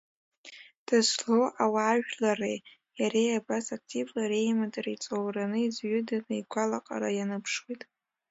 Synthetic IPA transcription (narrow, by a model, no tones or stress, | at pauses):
d̥azloawaːʒᶣlarej | jaɾejabasak̚ʰtʰʼivlaɾejmadʼarait͡sʼowranɨizɥʏdanɨiɡʷalaqʼa̰ɾajanɨpʰʂwitʼ